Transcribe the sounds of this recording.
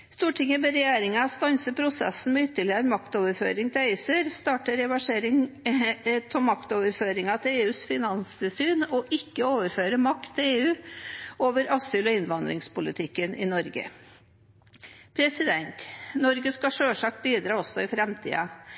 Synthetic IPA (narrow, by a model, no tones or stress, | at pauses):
st̪uːʈʰɪŋəbɛɾɛjeːɾɪŋɑst̪ɑnsəpʰɾʊsɛ̰sn̩mɛʏt̪ːəɭɪəɾəmɑkt̪oːʋəɾfø̰ːɾɪŋt̪ʰɪæɪsəɾst̪ɑːʈəɾɛʋɑʂeːɾɪŋ | t̪ʰɔmɑkt̪oːʋəɾføːɾɪŋɑt̪ʰɪleːʉːsfɪnɑnsɪsyːnɔʔɪkːəoːʋəɾføːɾəmɑkt̪ʰːɪleːʉːoːʋəɾʔɑsyːlɔɪnʋɑnd̪ɾɪŋspʊlɪt̪ʰɪkːənʔɪ̰nɔɾɡə̰ | pʰɾɛsɪd̪ɛnt̪nɔɾɡəskɑʂøːʂɑːk̚t̪̚biːd̪ɾɑːɔsːɔɪfɾɛmt̪ʰḭːɑ